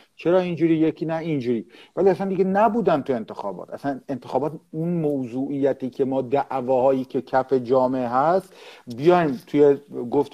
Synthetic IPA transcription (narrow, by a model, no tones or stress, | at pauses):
t͡ʃʰeɾɒːind͡ʒuːɾiːjekʰiːnæind͡ʒuːɾiːvæliæsænd̪iɡenæbuːd̪ænd̪t̪ue̞nt̪ʰe̞xɒ̰ːbɒ̰ːt̪æsæne̞nt̪ʰexɒːbɒːt̪unmowzuːʔijæt̪ʰiːkʰe̞mɒːd̪æʔvɒːhɒːjiːcʰe̞cʰæfe̞d͡ʒɒːmeeɦæst̪bijɒːimt̪ʰujeɡoft̪